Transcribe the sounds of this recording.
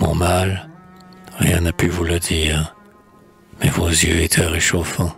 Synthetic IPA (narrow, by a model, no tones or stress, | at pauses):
mɔ̰̃mal | ʁjɛ̃napyvuləd̪iːʁ | mɛvozjøet̪ʰɛʁeʃofɑ̃